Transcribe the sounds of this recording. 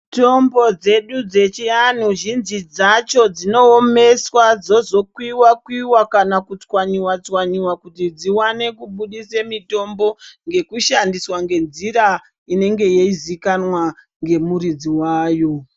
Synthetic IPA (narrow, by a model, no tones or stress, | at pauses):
to̞mbo̞d͡ze̞ɗud͡ze̞t͡ʃian̤uʒinzid͡zat͡ʃo̞d͡zino̞ːme̞swad͡zo̞zo̞kwiwakwiwakanakut͡swaɲiwat͡swaɲiwakutid͡ziwane̞kuɓuɗisemito̞mbo̞ŋɡe̞kuʃandiswaŋɡe̞nd͡ziɾa | ine̞ŋɡe̞jeizikanwa | ŋɡe̞muɾid͡ziwaːjo̞